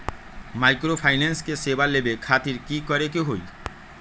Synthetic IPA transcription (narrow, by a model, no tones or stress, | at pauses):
majkɾopʰajnenskesebalebekʰat̪iɾkikɔɾekeɦoj